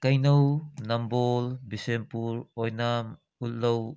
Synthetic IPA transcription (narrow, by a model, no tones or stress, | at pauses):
kajnownambolbisempuɾɔjnam | ut̚low